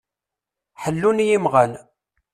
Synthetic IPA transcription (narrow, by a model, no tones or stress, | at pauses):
ħəlːunjimʁæn